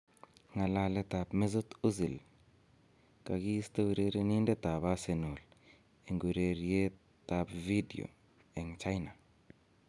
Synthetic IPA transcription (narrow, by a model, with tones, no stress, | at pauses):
ŋa˨la˦le˦ta˨pme˦zo˦tu˦zi˨l | ka˨ɡi˦i˦sta˦wi˨ɾe˦ɾe˦ni˦nde˦ta˨ba˦se˨nu˨l | e˨ŋɡi˨ɾe˨ɾije˦ | ta˨pvi˦dḭ˨o̰˨ | e˨ŋt͡ʃa˦jna˨